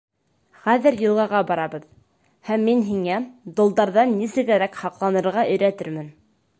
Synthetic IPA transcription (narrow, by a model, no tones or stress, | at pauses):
χæðɘɾjɤ̆lˠʁɑʁɑbɑɾɑbɤ̆ð | hæmːinɦiŋæd̪ŏlˠd̪ɑɾðɑnːisɘ̆ɡæɾækhɑqlˠɑnɤ̆ɾʁɑʔɘ̆jɾæt̪ɘɾmɘn